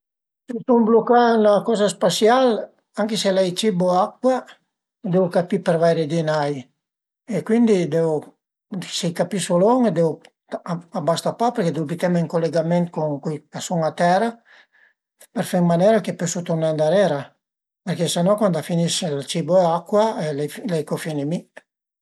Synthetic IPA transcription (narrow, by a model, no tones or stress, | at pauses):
sit̪uŋblokanakɔzaspasjal | aŋkeselɛjt͡ʃiboakwa | d̪eukapipeɾvajɾed̪inaj | ekwind̪id̪eu | sekapisolɔŋd̪ew | abast̪apapeɾked̪ewbit̪ɛmaiŋkolːeɡamɛnt̪kuŋkujkasuŋat̪ɛɾa | peɾfɛŋmanɛɾakepøsut̪oɾnand̪aɾɛɾa | peɾkesenɔkwand̪afiniʃelat͡ʃiboɛakːwaɛllɛjkofinemi